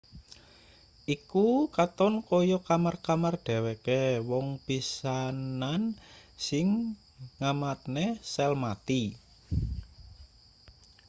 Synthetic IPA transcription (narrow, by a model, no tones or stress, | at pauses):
ʔikukat̪ɔnkɔjɔkamarkamarɖ̥ɛ̤wekewɔŋpisanansɪŋː | amat̪̚nesɛlmat̪i